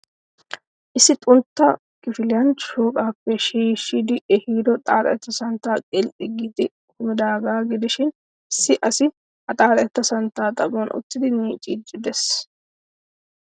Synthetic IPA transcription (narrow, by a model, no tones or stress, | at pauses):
ʔɪsːɪt̪ʼʊnt̪ːɐ | kɪfɪlɪjɐnʃoːkʼaːpːɛʃiːʃːid̪ɪʔɛhiːd̪ɔt̪ʼaːɾɐɛt̪ːɐsɐnt̪ːaːkʼɛlʔɪɡid̪ɪ | kʊmɪd̪aːɡaːɡɪd̪ɪʃɪn | ɪsːɪʔɐsɪ | ɐt̪ʼaːɾɐɛt̪ːɐsɐnt̪ːaːt̪ʼɐbonʔʊ̰t̪ːɪd̪ɪmiːt͡ʃʼiːt͡ʃʼːɪd̪ɛs